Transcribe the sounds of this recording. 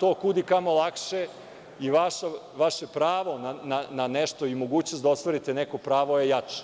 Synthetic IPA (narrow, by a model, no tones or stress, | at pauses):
t̪oːkud̪ikamo̞lˠakʃe | iʋaʃa | ʋaʃe̞pɾaːʋo̞nanananeʃt̪oimoɡuːt͡ɕnosd̪aost̪ʋaɾit̪eneko̞pɾaːʋojejat͡ʃe̥